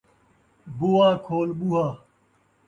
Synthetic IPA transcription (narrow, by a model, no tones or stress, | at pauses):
buwaːkʰoːlɓuɦaː